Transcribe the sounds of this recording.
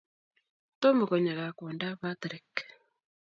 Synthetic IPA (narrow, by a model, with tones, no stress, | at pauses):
to˦mu˨ɣɔ˨ɲa˨ɣa˨kɔ˨nda˦βa˦tɾi˨k